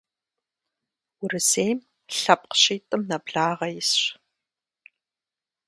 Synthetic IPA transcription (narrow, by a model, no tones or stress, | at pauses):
ʊrɨseːjm | ɬɐp̚ʼqɕiːtʼɨmnɐbɮaːʁɐjɪsɕ